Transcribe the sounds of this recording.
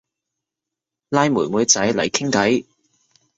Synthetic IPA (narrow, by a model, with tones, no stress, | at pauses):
laː˧jmuː˨˩jmuː˨˧jt͡sɐ˨˥jlɐ̰˨˩jkʰɪ˥ŋkɐ˨˥j